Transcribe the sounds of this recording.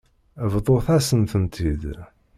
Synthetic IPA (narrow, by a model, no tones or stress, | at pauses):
vðˤoθæsənt̪ənt̪ʰid̪